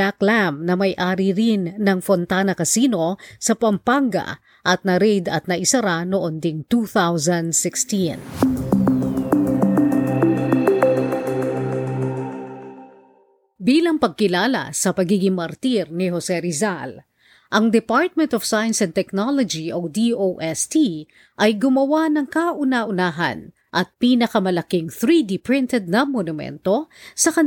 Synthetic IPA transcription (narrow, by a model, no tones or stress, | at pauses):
aklamnɐmɐjʔaːɾiɾinːɐŋfont̪aːnɐkɐsiːno̞sɐpɐmpaŋɡɐ̰ | ʔɐt̪̚nɐɾɛd̪ɐt̪̚nɐʔɪsɐɾanoʔond̪ɪŋt̪uθawzɐ̃nd̪sɪkst̪in | biːlɐŋpɐɡ̚kɪlaːlɐ̰sɐpɐɡiːɡɪŋmɐɾt̪iɾnɪhosɛɾizal | ʔɐŋd̪ɛpaɹt̪̚mɛnt̪ɔfsajɐnsɛn̚t̪ɛknolod͡ʒiʔod̪iʔoʔɛst̪i | ʔɐjɡʊmɐwanɐŋkɐʔʊnaʔʊnaːɦɐ̰n | ʔɐt̪̚piːnɐkɐmɐlɐkiŋθɾid̪ipɹɪnt̪ɛd̪̚nɐmonʊmɛ̰nt̪o̞sɐkɐn